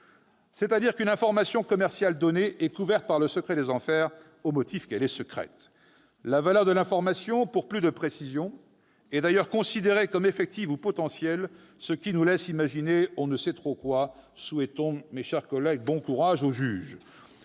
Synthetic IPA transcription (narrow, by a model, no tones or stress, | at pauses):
sɛt̪ad̪iʁkynɛ̃fɔʁmasjɔ̃kɔmɛʁsjald̪ɔneʔɛkuvɛʁt̪̚paʁləsəkχɛd̪ezɑ̃fɛʁ | omɔt̪ʰifkɛlɛsəkχɛ̰t̪ | lavalœʁd̪əlɛ̃fɔʁmasjɔ̃puʁplyd̪əpχesizjɔ̃ | ɛd̪ajœʁkɔ̃sid̪eʁekɔmefɛk̚t̪ivupɔt̪ɑ̃sjɛl | səkʲinulɛsimaʒineɔ̃nəsɛt̪χokwasuɛt̪ɔ̃meʃɛʁkɔlɛɡ̚bɔ̃kuʁaʒoʒyːʒ